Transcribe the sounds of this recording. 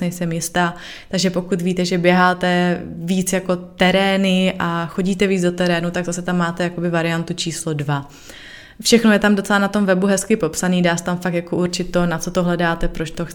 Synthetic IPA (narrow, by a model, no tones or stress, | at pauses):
ɲɛjsɛmjɪst̪aː | t̪aɡʒɛpo̞kut̪viːt̪ɛʒɛbjɛɦaːt̪ɛviːt͡sjako̞t̪ɛɾɛːnɪʔaxo̞ɟiːt̪ɛviːt͡sdot̪ɛɾɛːnut̪aɡzasɛt̪amːaːt̪ɛjakobɪvaɾɪjant̪ut͡ʃiːslo̞dva | fʃɛxno̞jɛt̪amdot͡sɛlanat̪o̞mvɛbuɦɛskɪpo̞psaniːdaːsɛ̥t̪amfak̚t̪jakouɾt͡ʃɪt̪̚t̪ːo̞nat͡so̞t̪o̞ɦlɛdaːt̪ɛpɾot͡ʃt̪o̞x